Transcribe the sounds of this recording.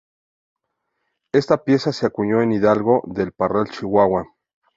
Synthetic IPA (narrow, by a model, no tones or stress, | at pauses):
e̞st̪apje̞saseakuɲo̞eniðalɣo̞ðe̞lparalt͡ʃiwaɣwa